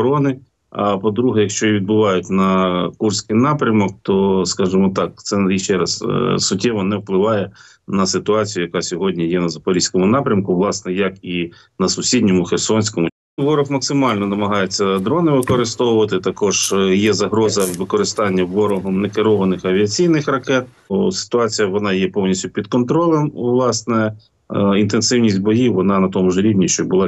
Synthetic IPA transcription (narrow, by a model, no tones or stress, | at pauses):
ɾɔnɪ | ɐpɔd̪ɾuɦɛjɐkʃt͡ʃɔiʋʲid̪̚bʊʋɑjʊtʲnɐkursʲkɪjnɑpɾʲɐmɔk̚t̪ɔskɑʒɪmɔt̪ɑk̚t̪sɛjiʃt͡ʃɛɾɐssʊtʲːɛʋɔnɛwplˠɪʋɑjɛ | nɐsɪt̪ʊɑt͡sʲijʊjɐkɑsʲɔɦɔdʲnʲijɛnɐzɐpɔɾʲisʲkɔmʊnɑpɾʲɐmkʊʋlˠɑsnɛjɐki | nɐsʊsʲidʲnʲɔmʊxersɔnʲsʲkɔmʊ | ʋɔɾɔfmɐksɪmɑlʲnɔnɐmɐɦɑjet͡sʲːɐd̪ɾɔnɪʋɪkɔɾɪst̪ɔwʊʋɐt̪ɪt̪ɐkɔʒ̥jɛzɐɦɾɔzɐʋɪkɔɾɪst̪ɑnʲːɐʋɔɾɔɦɔmnɛkɪɾɔʋɐnɪxɐʋʲiɐt͡sʲijnɪxrɐkɛt̪̚ | sɪ̥t̪ʊɑt͡sʲijɐʋɔnɑjɛpɔwnʲisʲtʲʊpʲid̪kɔnt̪ɾɔlˠɛmʋlˠɑsnɛ | int̪ensɪwnʲisʲtʲbɔjiwʋɔnɑnɐt̪ɔmʊʒɾʲiwnʲiʃt͡ʃɔbʊlˠɑ